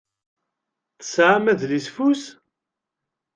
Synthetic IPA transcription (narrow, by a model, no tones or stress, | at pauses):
θə̥sʕamæðlisfus